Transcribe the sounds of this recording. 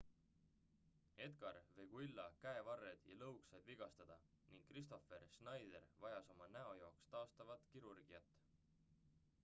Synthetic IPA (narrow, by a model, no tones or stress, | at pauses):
e̞d̪ɡ̥ɑɾve̞ɡ̥uilːɑkæevɑrːed̪̥jɑlɤwksɑb̥̪viɡ̥ɑst̪ɑd̪̥ɑ | niŋɡ̥kːrist̪o̞fe̞rsnɑjd̪e̞rvɑjɑso̞mɑnæo̞joːkst̪ɑːst̪ɑvɑt̪ˑkiɾurɡ̥iɑt̪ːˑ